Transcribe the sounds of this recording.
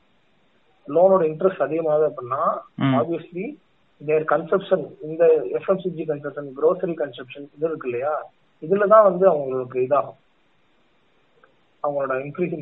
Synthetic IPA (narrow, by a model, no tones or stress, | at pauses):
loːnoːɽɐɪɳʈɾɐsʈɐðɪɣɐmaːʋeːɐpːɐɽnːãːaːbɪjɐsli | neːɾkɐnsɛpʂɐnɪnd̪ɐɛfɛmsid͡ʒikɐnsɛpʂɐnɡɾoːsɐɾikɐnsɛpʂɐnɪðɯɪɾɯkːɪlːɐjaː | ɪðɯlɐt̪ãːʋɐnd̪ɯɐʋɐŋɡɐɭoːɽɯkːɐɪðaːɣʊ̃ | ɐʋɐŋɡɐɭoːɽɐɪnkɾiːs